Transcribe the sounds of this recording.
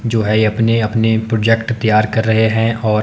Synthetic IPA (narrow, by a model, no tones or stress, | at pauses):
d͡ʒoːɦɛjeɐpneɐpnepɾoːd͡ʒɛkʈt̪ijaːɾkɐɾːɐɦeɦɛ̃ʔɔː